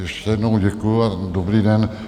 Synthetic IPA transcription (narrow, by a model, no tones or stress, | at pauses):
jɛʃcɛjɛdnowɟɛkujʊadobɾiːdɛn